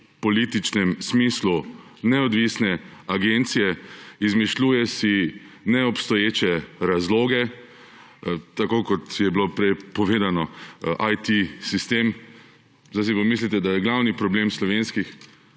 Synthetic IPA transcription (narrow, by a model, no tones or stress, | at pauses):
pɔlit̪it͡ʃnɛmsmiːslu | nɛɔd̪ʋisnɛaɡent̪sijɛizmiʃluːjɛsinɛɔpst̪ɔjeːt͡ʃɛɾazloːɡɛ | t̪akokɔt̪jɛbilopɾɛjpɔʋeːd̪anɔʔajt̪isist̪eːm | zas̬ipamis̬lit̪ɛd̪ajɛɡlawnipɾɔblemslɔʋenskix